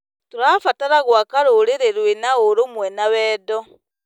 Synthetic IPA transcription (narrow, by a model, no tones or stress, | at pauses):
toɾaːfataɾaɣwakaɾoɾeɾeɾwenaoɾomwɛnawɛːdɔ